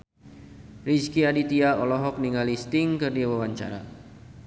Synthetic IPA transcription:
riskiadit̪iaɔlɔɦɔk̚niŋalist̪iŋkərdiawawaɲt͡ʃa̰ɾa̰

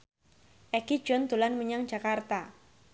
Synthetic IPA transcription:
ʔɛki̥d͡ʒɔnt̪ulanməɲaŋd͡ʒakart̪a

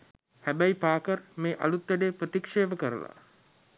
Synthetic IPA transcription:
hæbæipaːkərmeːʔa̰lut̪ʋæɖeːprət̪ikʂeːʋəkəɾə̰la̰

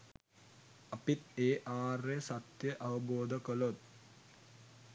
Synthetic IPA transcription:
ɐpit̪eːʔaːresat̪jəʔɐʋəboːd̪əkəlot̪̚

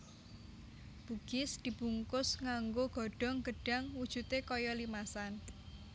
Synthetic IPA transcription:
b̥uɡ̥ɪsd̪̥i̤b̥uŋkʊsŋaŋɡoɡ̥ɔ̤ɖ̥ɔ̤ŋɡ̥ə̤ɖ̥a̤ŋwud̥ʒ̥ṳt̪ekɔjɔlimasan

